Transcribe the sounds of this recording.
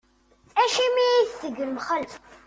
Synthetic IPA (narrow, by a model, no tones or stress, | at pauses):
æʃimiiθθəɡəlmχəlf